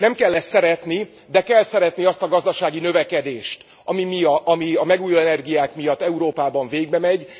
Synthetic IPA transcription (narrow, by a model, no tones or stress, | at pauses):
nɛmkɛlːɛssːɛɾɛt̪ni | d̪ɛkɛlsɛɾɛt̪niɒst̪ɒɡɒzd̪ɒʃaːɡinø̞vɛkɛd̪eːʃt̪ | ɒmimijɒmiɒmɛɡuːjolɛnɛrɡijaːkmijɒt̪ːɛuɾoːpaːbɒɱveːɡ̚bɛmɛɟ